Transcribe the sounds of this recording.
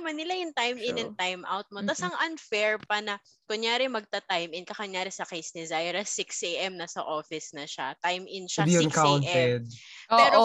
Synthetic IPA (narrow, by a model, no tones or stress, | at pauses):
ɐmɐnːɪlajʊŋt̪ajmɪ̃nɛnt̪ajmʔa̰wt̪̚mot̪asɐŋʔɐnfɛɹpɐnɐ | kʊɲjaːɾɪmɐɡ̚t̪ɐt̪ajmɪnkɐkɐɲjaːɾɪsɐkejsd̪ɪzajɛɾɐsɪkseʔɛmnɐsɐʔoːfɪsnɐʃat̪ajmʔɪnʃad̪iɐnkawnʔt̪ɛd̪̚oɛːʔɾo